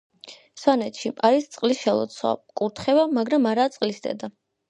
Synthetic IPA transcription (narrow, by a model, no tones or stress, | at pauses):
swanɛt̪ʰʃiaɾist̪sʼqʼlisʃɛlˠɔ̰t̪sʰwa̰kʼuɾt̪ʰχɛvamaɡɾamaɾat̪sʼqʼlisd̪ɛ̰d̪a